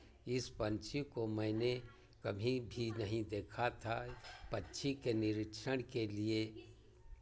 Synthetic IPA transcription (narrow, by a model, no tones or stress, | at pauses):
ɪspə̃nt͡ʃʰikomɛ̃ːne | kɐbʱĩbʱinɐɦĩd̪eːkʰat̪ʰapɐtːʃʰikenɪɾɪkʃəɽ̃kelie